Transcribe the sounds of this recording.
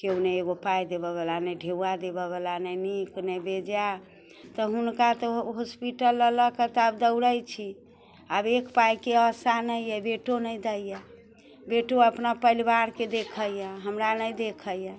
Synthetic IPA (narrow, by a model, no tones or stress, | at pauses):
keuneːɡopajd̪ebəβəlanəjɖʱewad̪ebəβlanəjniknəjbed͡ʒa | t̪ɔɦunkat̪ɔɦospiʈəlːələkət̪abd̪əwɾəjt͡ʃʰi | abekpajkeəsanəjjɛbeʈonəjd̪əjjɛ | beʈoəpnapəilibaɾked̪ekʰəjə̃ɦəmɾanəjd̪ekʰəjə̃